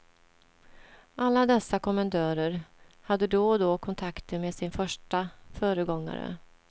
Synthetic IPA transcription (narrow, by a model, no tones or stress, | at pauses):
ʔalːad̪ɛsːakʰɔmand̪ʰœːɾəɾ | had̪ːəd̪oːd̪oːkʰɔnt̪ʰakt̪əmeːsɪnfœʂʈafœːɾəɡɔŋːa̰ɾə̰